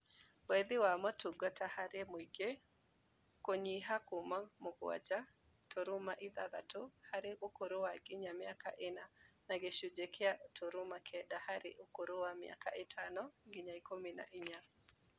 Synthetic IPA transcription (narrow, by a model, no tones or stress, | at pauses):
eðɪwamɔtuɡɔtahaɾemwiɡe | koɲiɦakomamʊɡwa̰d͡ʒa | tʰoɾʊmaʔɪðaða̰tohaɾɪokoɾowaɡɪɲamɪaka̰ʔɪnanaɡeʃud͡ʒekʰeatʰoɾʊmakʰɛdahaɾɪʔokoɾowamɪ̰a̰ka̰ɪtʰanɔɡɪɲaikomina̰ʔiɲa